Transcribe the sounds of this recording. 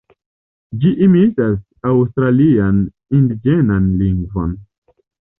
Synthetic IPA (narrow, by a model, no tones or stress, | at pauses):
d͡ʒiʔimitas | awstɾalian | indid͡ʒenanliŋɡvo̞̰n